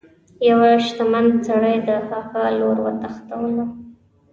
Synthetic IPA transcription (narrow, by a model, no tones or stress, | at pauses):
jawaʃt̪amant͡saɽəjd̪əxɑxaloɾwaɾt̪axt̪awəla